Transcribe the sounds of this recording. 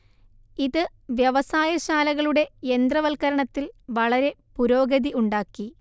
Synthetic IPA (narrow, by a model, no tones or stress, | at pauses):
iðɨ | ʋjɐʋɐsaːjɐɕaːlɐɣɐɭuɽe̞end̪rɐʋɐlkɐɾɐɳɐt̪ːilʋɐɭɐɾe̞puɾo̞ːɡɐðiuɳɖaːkːi